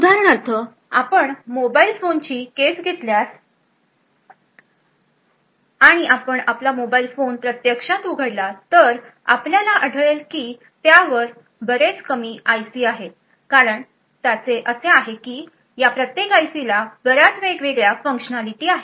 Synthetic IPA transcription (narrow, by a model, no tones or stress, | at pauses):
ud̪aɾəɳəɾt̪ʰə | apəɳmobailfont͡ɕiːkesɡʱet̪ljas | aɽ̃iʔapəɳaplamobailfonpɾət̪jəkʂãt̪uɡʱəɽlat̪əɾa̰pljalaʔəɽʱəɭelkiː | t̪jaʋəɾ | bəɾet͡skəmiːajsiːaɦe | kaɾəɳ | t̪jat͡seʔəseaɦekiː | japɾət̪jekajsilabəɾat͡sʋeɡʋeɡɭjafə̃ŋkʂənalit̪iːaɦe